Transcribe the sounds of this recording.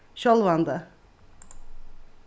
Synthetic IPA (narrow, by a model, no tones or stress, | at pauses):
ʃolˠvand̪a